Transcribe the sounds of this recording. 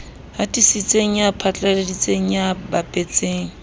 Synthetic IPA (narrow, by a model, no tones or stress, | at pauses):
hatʼisit͡sʼeŋ̩japʰat͡ɬʼaledit͡sʼeŋ̩jabapʼet͡sʼeːŋ̩